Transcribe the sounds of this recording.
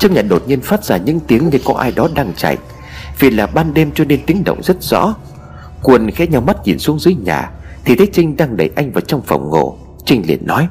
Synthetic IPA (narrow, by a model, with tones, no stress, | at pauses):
t͡ɕa˧k̚ɲaː˨˩ɗo˨˩t̚ɲi˧ənfaː˦˥t̚z̥aː˧˩ɲɨ̰˧˥ŋt̪i˨˦əŋne˧nkɔ˨˦ʔaː˧jɗɔ˨˦ɗaː˧ŋt͡ɕa̰˧˨jʔ | vḭ˨˩laː˨˩ɓaː˧nɗe˧mt͡ɕɔ˧ne˧nt̪i˨˦əŋɗə̰˧˨wŋ͡mzə˦˥t̚z̥ɔ̰˧˥ | kwə˨˩nxɛ˨˧˦ɲa˧˩wma˦˥t̚ɲḭ˨˩nsu˨˦əŋzɨː˨˦əjɲa̰ː˨˩t̪ʰi˨˩t̪ʰe˨˦t͡ɕï˧ŋ̟ɗaː˧ŋɗə̰˧˩jʔa˧jŋ̟vaː˨˩t͡ɕɔ˧wŋ͡mfə̰˨˧˩wŋ͡mŋo̰˧˨ | t͡ɕï˧ŋ̟lḭ˧˩ənːɔ˨˦j